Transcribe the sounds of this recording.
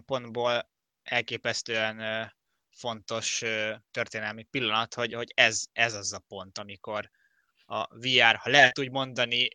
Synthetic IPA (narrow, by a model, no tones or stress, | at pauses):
mpo̞nd̪boːl | ɛlkeːpɛst̪øːɛnː | fo̞nt̪o̞ʃøt̪ø̞rt̪eːnɛlmipilːɒnɒt̪ho̞ɟho̞ɟɛzɛzɒzɒpo̞n̪t̪ɒmiko̞r | ɒ̰viaːrhɒlɛɦɛt̪uːɟmo̞nd̪ɒni